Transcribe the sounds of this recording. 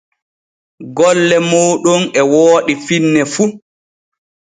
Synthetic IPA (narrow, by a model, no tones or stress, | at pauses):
ɡɔlːɛmoːɗɔnɛwoːɗifinːɛfu